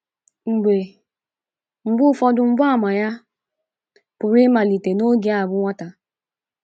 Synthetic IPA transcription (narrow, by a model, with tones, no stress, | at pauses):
ŋ͡m̩˨ɡ͡be˨ | ŋ͡m̩˨ɡ͡bʊ˦fɔ˦dʊ˨ŋ͡m̩˦bʊ˦a˦˨ma˨ja˦ | pʊ˨ɾɪ˦ma˨li˨te˨no˦ɡi˨˦a˨bʊ˦ŋʷa˦ta˨